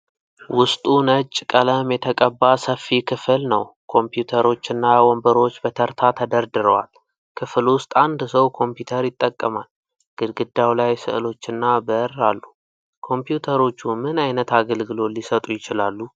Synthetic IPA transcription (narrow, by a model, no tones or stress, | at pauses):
wʊst̪ʼunət͡ʃʼːkʼələmjɛt̪ʰəkʼəbːasəfːikʰɨfɨlnəwkʰo̞mpjut̪ʰəɾo̞t͡ʃːɪnːawɔmbəɾo̞t͡ʃːbət̪ʰəɾt̪ʰat̪ʰəd̪əɾd̪ɨɾəwa̰l | kʰɨflwʊst̪ʼand̪səwkʰo̞mpjut̪ʰəɾjɪt̪ʼːəkʼːəmal | ɡ̥ɨlɡɨd̪ːawlajsɨ̰ʔɨlo̞t͡ʃːɪnːabəɾːalːu | kʰo̞mpjut̪ʰəɾo̞t͡ʃːumɨnajnət̪aɡəlɡɨlo̞lisət̪ʼujɪt͡ʃɪlalːu